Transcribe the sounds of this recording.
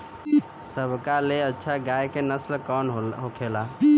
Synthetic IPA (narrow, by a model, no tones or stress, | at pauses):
səbʱkaleətːʃʰaɡajkenəslkɔnɦokʰela